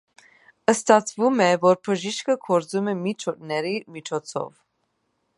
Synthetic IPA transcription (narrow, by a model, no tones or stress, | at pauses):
əst̪ɑt͡sʰvumɛvɔɾpʰəʒiʃkəkʰɔɾd͡zumɛmit͡ʃʰɔtnɛɾimit͡ʃʰɔt͡sʰɔ̰v